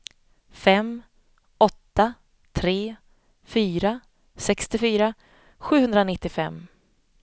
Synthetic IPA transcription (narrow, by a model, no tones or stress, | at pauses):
fɛm | ɔt̪ːa | t̪ʰɾeː | fyːɾa | sɛkst̪ɪfyːɾa | ɧʉ̟ːhɵnd̪ɾanɪt̪ːɪfɛmː